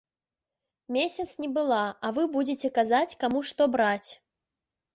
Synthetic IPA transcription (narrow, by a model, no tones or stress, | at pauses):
mʲesʲɐt̪snʲibɨlˠaɐvɨbud͡zʲɪt͡sʲɛkazat͡sʲkamuʂt̪ɔbɾat͡sʲ